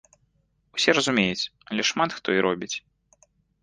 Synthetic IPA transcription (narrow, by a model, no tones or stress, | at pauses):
wsʲɛɾɐzumʲejut͡sʲɐlʲɛʂmat̪xt̪ɔiɾʔɔbʲit͡sʲ